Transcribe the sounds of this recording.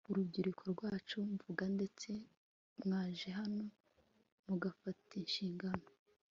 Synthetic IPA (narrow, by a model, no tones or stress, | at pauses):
uɾubɟiɾikʰoɾɡwaːt͡ʃuɱvuɡande̞t͡se̞ | mŋaːʒeɦano̞ | muɡafatinʃiːŋɡano̞